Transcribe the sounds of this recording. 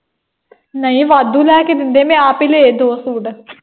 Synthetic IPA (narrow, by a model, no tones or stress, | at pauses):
nəĩːʋaːd̪uːlɛːkeːd̪ɪnd̪eːmẽːaːpiːleːd̪oːsuːɖ